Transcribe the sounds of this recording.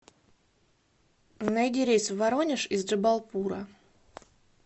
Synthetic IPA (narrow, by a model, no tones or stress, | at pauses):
najdʲɪɾʲejsvɐɾonʲɪʂɪzʐɨbɐlˠpuɾə